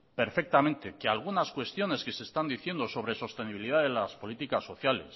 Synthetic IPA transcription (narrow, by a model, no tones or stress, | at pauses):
pe̞ɾfe̞k̚t̪amẽ̞nt̪e̞kealɣ̞unaskwe̞st̪jo̞ne̞ske̞se̞ːst̪and̪iθjend̪o̞so̞β̞ɾe̞so̞st̪e̞niβiliðaðelaspo̞lit̪ikasːo̞θjale̞̰s